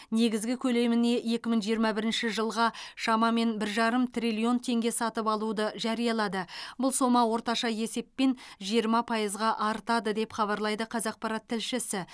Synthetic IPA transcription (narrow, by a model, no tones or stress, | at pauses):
ne̞ɡʲɪzɡʲɪkʲʰɵle̞mɪne̞je̞kʲɪmɪŋʒijəɾmɑbɪɾɪnʃɪʒəlˠʁɑʃɑmɑme̞nbɪɾʒɑɾəmt̪ʰrilʲio̞nt̪ʰe̞ŋɡʲe̞sɑt̪əpɑlˠud̪əʒɑɾijɑlˠɑd̪əbʊlˠso̞mɑwo̞ɾt̪ɑʃɑje̞se̞pːe̞nʒijəɾmɑpʰɑjəzʁɑʔɑɾt̪ɑd̪əd̪e̞pχɑβɑɾlˠɑjd̪əqʰɑzɑq̚pɑɾɑt̪ʰːɪlʃɪsɪ